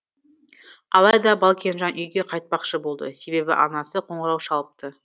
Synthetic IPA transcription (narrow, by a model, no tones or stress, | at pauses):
ɑlˠɑjd̪ɑbɑlˠkʲe̞nʒɑnʔʏjɡʲe̞qʰɑjt̪̚pɑqʃəbo̞lˠd̪ə̰se̞be̞bɪ̰ʔɑnɑsəqʰo̞ɴəɾɑwʃɑlˠəp̚t̪ə